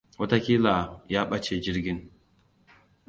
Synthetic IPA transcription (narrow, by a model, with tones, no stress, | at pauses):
wɐ˦ta˦kʲi˦la˨jaː˦ɓɐ˦t͡ʃe˨d͡ʒɪ˦ɾɡʲɪ˦n